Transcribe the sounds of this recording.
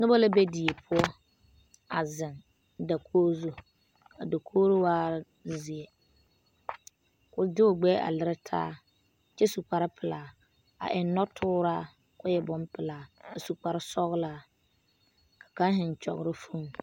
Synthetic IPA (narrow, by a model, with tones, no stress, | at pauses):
nʊ˦bɔ˦la˦be˦di˨e˨pʰʊ˦ɔ˦ | a˨zɪ˨ŋ | da˨kʰoː˦zo˦ | a˨da˨kʰoː˦ɾwaː˦˨ | zɪ˨ɛ˨ | kʊ˨dɪ˦ʊ˨ɡ͡bɛː˦ʔa̰˨lɪ˦ɾɪ˦tʰa̰ː˦ | t͡ʃɛ˦su˨k͡pa˨ɾɪ˦pʰɪ˨laː˨ | a̰˨ʔɪ˨n˦nːɔ˦tʰʊː˦ɾaː˦ | kʊ˦jɛ˨bʊ˦mpɪ˨laː˨a˨su˨k͡pa˨ɾɪ˦sɔ˦ɣlaː˦ | kḁ˨ka˦n˦ɦɪ˨n˨t͡ʃɔ̰˨ɣɾɪ˦fu˦m